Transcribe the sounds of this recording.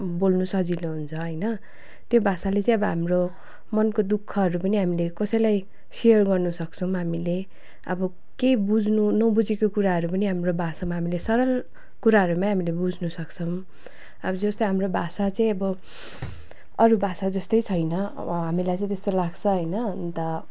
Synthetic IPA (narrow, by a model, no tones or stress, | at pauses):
bolnusʌd͡ziloɦunt͡sʰʌɦʌjnʌ | t̪jobʱasalet͡sʌ̃ĩʌbʌɦamro | mʌnkod̪ukʰːʌɦʌɾupʌniɦamilekʌsʌjlaj | sejʌrɡʌrnusʌkt͡sʰʌw̃ɦamile | ʌ̰bʌ | kebud͡znunʌbud͡zekokuɾaɦʌɾupʌniɦamrobʱasamaɦamilesʌɾʌl | kuɾaɦʌɾumãɦamilebud͡znusʌkt͡sʰʌm | ʌbʌd͡zʌst̪ɦamrobʱasat͡sʌĩʌbʌ | ʌɾubʱasad͡zʌst̪ʌjt͡sʰʌjnʌ̰ | ʌɦamilajt͡sʌ̃ĩt̪est̪olaɡt͡sʰʌɦʌjnʌnt̪ʌ